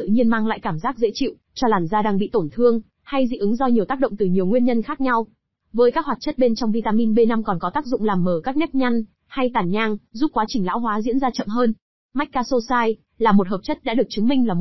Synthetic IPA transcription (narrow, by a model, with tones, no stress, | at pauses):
ɨ̰˧˨ɲi˧ənmaː˧ŋla̰ː˧˨jkaː˧˩mzaː˦˥k̚zḛ˧˥t͡ɕḭ˧˨w | t͡ɕɔ˧laː˨˩mzaː˧ɗaː˧ŋɓḭ˧˨t̪o˧˩nt̪ʰɨ˧əŋ | ha˧jzḭ˧˥ʔɨ˨˦ŋzɔ˧ɲi˨˩əwt̪aː˦˥k̚ɗə̰˧˨ŋ͡mt̪ɨ˨˩ɲi˨˩əwŋwi˧ənɲə˧nxaː˦˥k̚ɲa˧w | vəː˨˦jkaː˦˥k̚hwaː˨˩t͡ɕə˦˥t̚ɓe˧nt͡ɕɔ˧wŋ͡mvi˧t̪aː˧mi˧nɓe˧na˧mkɔ˨˩nkɔ˨˦t̪aː˦˥k̚zʊ̰˧˨ŋ͡mlaː˨˩mːəː˧˩ka˦˥k̚nɛ˦˥p̚ɲa˧jŋ̟ | ha˧jt̪aː˨˩nɲaː˧ŋzu˦˥p̚kwaː˨˦t͡ɕï˨˩ŋla̰ː˧˥wɦwaː˨˦zḭ˧˥ənzaː˧t͡ɕə̰˧˨mɦəː˧n | ma˦˥jk̚kːaː˧so˧saː˧j | laː˨˩mo˨˩t̚ɦəː˨˩p̚t͡ɕə˦˥t̚ɗa̰ː˧˥ɗɨ˨˩ək̚t͡ɕɨ˨˦ŋmï˧ŋlaː˨˩